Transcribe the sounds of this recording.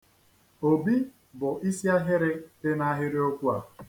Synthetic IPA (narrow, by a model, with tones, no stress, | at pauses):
o˨bi˦ | bʊ˨ʔi˦si˦a˦ɦɪ˦ɾɪ˦tɪ˦na˦ɦɪ˦ɾɪ˦o˦kʷu˦a˨